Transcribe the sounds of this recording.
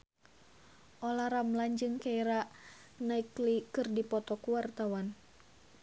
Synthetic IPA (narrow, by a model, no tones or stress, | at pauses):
ʔɔlaɾamland͡ʒɨŋkaiɾa | naiklikɨrdipɔt̪ɔkuwart̪awan